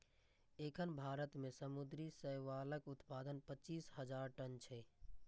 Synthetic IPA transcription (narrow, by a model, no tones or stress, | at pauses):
ekʰənbʱaɾət̪mesəmud̪ɾisəjʋaləkut̪pad̪ənpət͡ʃiːsɦəd͡ʒaɾʈənt͡ʃʰɛ